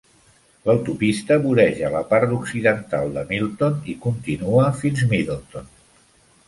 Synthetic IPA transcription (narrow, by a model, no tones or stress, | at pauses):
ləwt̪upist̪əβuɾɛʒələpaɾt̪uksiðənt̪a̰lˠd̪əmilˠt̪onikunt̪inuəfinzmiðelˠt̪on